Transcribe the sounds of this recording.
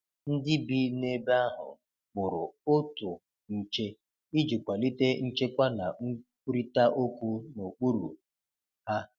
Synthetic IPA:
n̩˦dɪ˦bi˦ne˦ba˦ɦʊ̰˨ | k͡pʊ˨ɾʊ̰˨ʊ˦tʊ˨ | n̩˨t͡ʃe˦ | i˦d͡ʒi˨kʷa˨li˦te˦n̩˦t͡ʃe˦kʷa˦na̰˨ŋ̩˦ku˦ɾi˦ta˦ʔo˦kʷu˦no˨k͡pu˦ɾṵ˨ | ha˦

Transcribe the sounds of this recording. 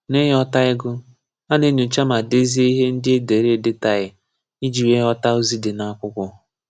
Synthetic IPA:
ne˦ɦɔ˦ta˦ɪ˦ɡʊ˦ | a˦ne˦nu˨t͡ʃa˦ma˨de˦zi˦e˦i˦ɦe˦n̩˦dɪ˦e˦de˨ɾe˦˨dɪ˦ta˦˨ɪ˨ | i˦d͡ʒi˨we˦ɦɔ˦ta˦o˦zi˦dɪ˨na˨a˦kʷʊ˦kʷʊ˦

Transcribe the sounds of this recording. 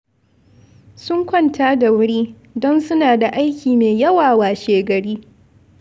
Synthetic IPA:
sʊ˦ŋkʷɔ˦ntʰaː˦da˨wʊ˦ɽiː˦ | dɔ˦nsʊ˦naː˨da˨ʔa˦jkʲʰiː˨meː˨jɐ˦waː˨waː˨ʃeː˨ɡɐ˨ɽiː˦

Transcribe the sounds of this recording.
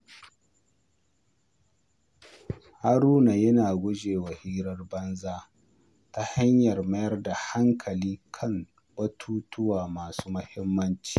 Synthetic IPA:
ha˦ɾuː˦na˨jɐ˦naː˨ɡʷʊ˦d͡ʒeː˨wɐ˨hiː˦ɾɐ˦rbɐ˦nzaː˦ | ta˦ha˦ɲjɐ˨rmɐ˦jɐ˦rda˨ha˦ŋkʰɐ˨liː˦kʰɐ˦m | bɐ˦tʰuː˦tʊ˦waː˨maː˨su̥ː˦mɐ˦hɪ˦mːɐ˦nt͡ʃi̥ː˨

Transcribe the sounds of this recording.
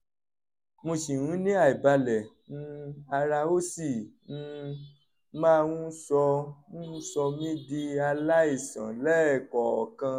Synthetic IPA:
mõ˧ʃĩ˨nũ˨˦nĩ˦a˦˨i˨ba˧lɛ˨ | ñ̩˦a˧ɾa˧o˦si˦˨ñ̩˧ | mãː˦˧wũ˦sɔ˧ũ˦sɔ˧mĩ˦di˧a˧la˦i˦˨sã̰˨lɛ˦˨kɔ˨ɔ̰˨kã˧

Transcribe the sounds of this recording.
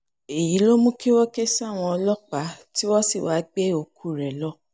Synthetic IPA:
e˨ji˨˦lo˦mũ˦ki˦wɔ˦ke˦sa˦˨w̃ɔ̃˧ɔ˧lɔ˦k͡pa˨˦ti˦wɔ˦si˦˨wa˨˦ɡ͡be˦o˧kʰu˨˧˨ɾɛ˨lɔ˦

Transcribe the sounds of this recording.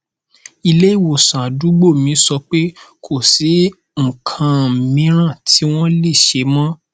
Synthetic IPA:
i˧le˦i˦˨wo˨sã˨a˨du˨˦ɡ͡bo˦˨mĩ˨˧˦sɔ˧k͡pe˦kʰo˦˨si˨˦ | ŋ̩˨kʰã˨mĩ˨˦ɾ̃ã˦˨tʰi˦w̃ɔ̃˦le˦˨ʃe˨˦mɔ̃˦

